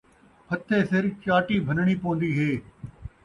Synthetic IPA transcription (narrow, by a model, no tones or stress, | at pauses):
pʰət̪ʰːeːsɪɾt͡ʃaːʈiːbʱənɽ̃iːpõːnd̪iːɦeː